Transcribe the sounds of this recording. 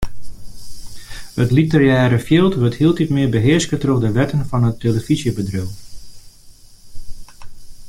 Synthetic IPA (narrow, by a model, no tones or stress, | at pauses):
ətlitərjɛːɾəfjɪːlˠtʋøthiːəlˠtitmɪbəɦɪəskətroxdəʋɛtənfɑnətʰːeləfizjəbədrøw